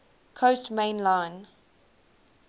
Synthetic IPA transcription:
kʰostmẽɪ̃nlãɪ̃n

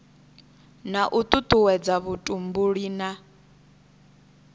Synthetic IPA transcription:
naʔut̪ʼut̪ʼuwɛd͡zaβutʼumbuɺiːna

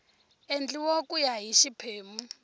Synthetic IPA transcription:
end͡ɮiwokʼujaɦiʃipʰeːmu

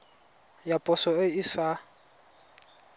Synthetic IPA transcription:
japʼʊsɔɪisa

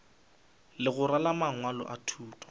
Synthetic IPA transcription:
lɪɣʊɾalamaŋwalɔ̰ʔatʰuːtʼɔ̥

